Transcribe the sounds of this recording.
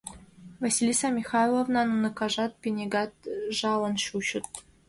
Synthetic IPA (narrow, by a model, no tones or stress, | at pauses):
vɑsʲilʲisɑmʲixɑjlˠovnɑnunɤ̆kɑʐɑt̪̚pʲenʲeɡɑt̪̚ʐɑlɤ̆nɕuɕɘ̆t̪̚